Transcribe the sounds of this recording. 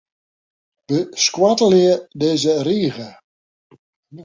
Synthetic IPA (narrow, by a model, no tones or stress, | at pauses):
b̥əskwatəliədeːzəriːɣə